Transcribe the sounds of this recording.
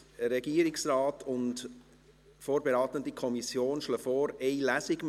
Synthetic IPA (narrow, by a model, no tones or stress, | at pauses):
ɾɛɡiəɾɪksrɑːtʰʊnt | foːɾbɛɾɑːt̪əndikʰɔmisjoːnʃləfɔːɾɛɪlæsɪɡm